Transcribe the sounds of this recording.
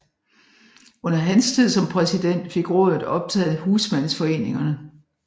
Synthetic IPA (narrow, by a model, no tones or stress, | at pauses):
ɔ̽n̰ɐɦænst͡sʰið̞̰ˠsɒ̽mpʰʁɛsid̥en̰d̥fe̝ɡ̥ʁɔ̰ðˠðð̩ˠɒ̽b̥̚t͡sʰɛ̰ːð̩ˠhuːsmæn̰̩sfɒ̽e̝̰ːne̝ŋɐnə